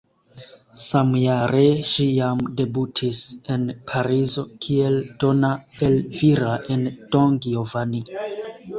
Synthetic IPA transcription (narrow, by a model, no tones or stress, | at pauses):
samjaɾe̞ʃijamde̞butʰise̞npʰaɾizo̞kʰield̥o̞naelviɾaʔend̥oŋɡiovani